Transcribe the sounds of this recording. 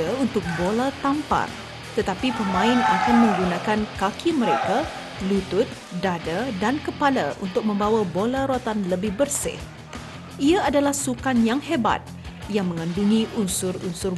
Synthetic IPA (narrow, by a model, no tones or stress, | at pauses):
aunt̪ʊk̚bolat̪ampa̰r | t̪ət̪apipəmãɪnakanmə̃ŋɡunãkankakʰiməɾeka | lut̪ʊt̪̚ | dadadankəpala̰ʔṵnt̪ʊk̚mə̃mbawabolaɾoat̪anləbɪhbərsɪ̰h | ʔiaːdalahsukanjaŋheba̰t̪̚jaŋmə̃ŋanduŋĩʔunsʊrunsʊr